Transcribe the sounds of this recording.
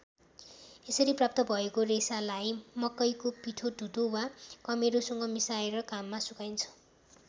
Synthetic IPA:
esʌɾiprap̚t̪ʌbʱʌekoresalajmʌkːʌjkopiʈʰoɖʱut̪owakʌmeɾusʌŋɡʌmisaeɾʌkamːasukajnt͡sʰʌ̥

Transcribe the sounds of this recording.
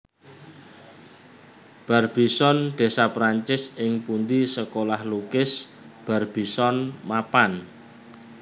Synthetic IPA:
b̥a̤rb̥i̤sɔnɖ̪̥e̤sapɾaɲt͡ʃɪsɪŋpund̪isəkolahlukɪsb̥a̤rb̥i̤sɔnmapan

